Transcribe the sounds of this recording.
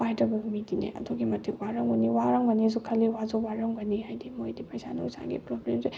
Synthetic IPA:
pajdɐbɐmidinḛʔɐ̰doɡimɐtʰikwaɾɐŋbuniwaɾaŋbɐnezukʰɐlːiwazowaɾɐŋbɐnihajdimojdipɐjsanṵusa̰ŋɡḭpɾoblemze

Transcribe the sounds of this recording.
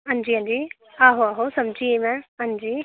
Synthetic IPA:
ɦə̃nd͡ʒiːɦãnd͡ʒiː | aːɦoaːɦosəmd͡ʒiːemɛ̃ːɦə̃nd͡ʒiː

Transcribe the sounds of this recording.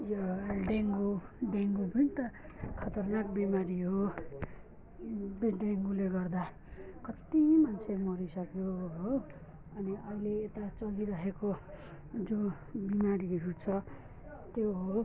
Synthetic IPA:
joɖeŋɡuɖeŋɡupʌnit̪ʌkʰʌt̪ʌrnakbemaɾiɦo | beɖeŋɡuleɡʌrd̪a | kʌt̪imant͡sʰemʌɾisʌkeoɦo | ʌniʌileːt̪at͡sʌliɾʌɦeko | d͡zõ | bimaɾiɾut͡sʰʌ | t̪joɦo

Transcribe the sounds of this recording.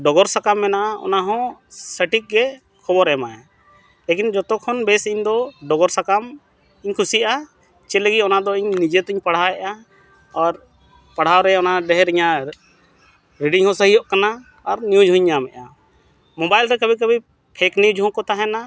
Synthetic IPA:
ɖɔɡɔɾsakamːɛnaʔaɔ̰naɦɔ̃səʈik̚ɡɛ | kʰɔbɔɾɛmaja | lekind͡ʒɔt̪ɔkʰːɔnbɛsiɲd̪ɔɖɔɡɔɾsakam | iɲkʰusiʔa | t͡ʃɛləɡiʔɔnad̪ɔiɲnid͡ʒet̪iɲpaɽ̤ɦaɛʔa | ɔɾ | paɽ̤awɾɛɔnaɖɛɦɾiɲa | ɾiɖiŋhɔ̃səɦijɔʔkana | ɔɾnijud͡ʒɦɔ̃ɲːamɛ̰ʔa | mɔbajlɾɛkabik̬əbʱi | pʰɛkniud͡ʒɦɔ̃kɔt̪aɦɛna

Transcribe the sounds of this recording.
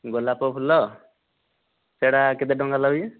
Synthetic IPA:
ɡolːapɔpʰulːɔ | seɽaked̪eɖɔŋɡalaje

